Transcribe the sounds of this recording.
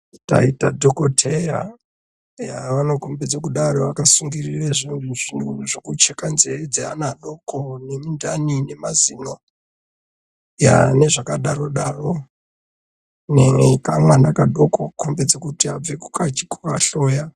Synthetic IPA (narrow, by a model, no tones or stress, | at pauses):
ta̰itadʱokotʰeja̰ | jaʋano̞kombed͡zekuɗaroʋakasuŋɡirireʐindiʐinuunuʐokut͡ʃekanzered͡zea̰naɗo̞kʰonemindanine̞mazino | ja̰ne̞ʐakaɗaɾo̞ɗaro | neŋeikamwanakaɗokokʰombed͡zekutiab͡ve̞ku̥kat͡ʃi̥kukaɬoːja